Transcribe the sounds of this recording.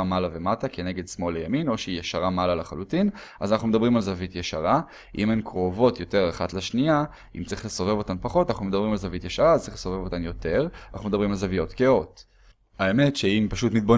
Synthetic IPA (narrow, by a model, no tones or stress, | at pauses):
malavematake̞ne̞ɡe̞dsmo̞lejamino̞ʃeijeʃaʁamalalaχa̰lutinazanaχnumed̪ɐbʁimalzavitjeʃaʁa | ʔimemkʁo̞vo̞tjo̞te̞ʁaχatleʃnia | ḭmt͡sʁiχleso̞vevo̞tanpaχo̞tanaχnumedɐabʁimalzavit̪jeʃaʁazt͡sʁiχleso̞ve̞vo̞t̪anjo̞te̞ʁanʔaχnume̞d̪abʁimalzavijo̞tkeo̞t | aemetʃeimpaʃutmit̪̚bo